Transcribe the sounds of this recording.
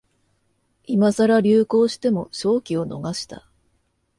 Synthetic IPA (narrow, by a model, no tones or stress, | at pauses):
imazaɾaɾʲɨːko̞ːɕi̥t̪e̞mo̞ɕo̞ːkʲio̞no̞̰ɡaɕi̥t̪a̰